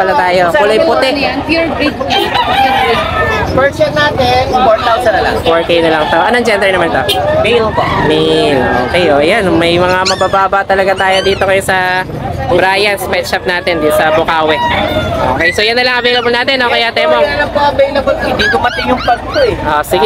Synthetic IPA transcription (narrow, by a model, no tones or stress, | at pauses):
pɐlat̪aːjokʊlajpʊt̪ɛnɹi | pɛɹsɐnːaːt̪ɛnpoɹt̪alsɐnɐlɐ̰ŋpoɹkejnɐlɐŋsɐʔɐnɐŋd͡ʒɛnd̪ɛɹnɐmant̪omejlbomɛlʔoːkɛjoʔjanmɐjmɐŋamɐbaːbaːbɐʔt̪ɐlɐɡat̪aːjod̪iːt̪o̞kɐjosɐ | bɾaːjɐnspɛt̪ʃɐp̚naːt̪ɛnd̪it̪sɐbʊkaːwɛʔo̰ːkɛjsojɐnːɐlɐŋʔɐvejlɐbolnaːt̪ɛnːokɐjat̪ɛmoɐlɐŋpoɐvejlɐbolɪ̃nd̪iɡ̪ʊmɐt̪ɪŋjʊŋpɐɡ̚t̪oɛʔosɪɡɛ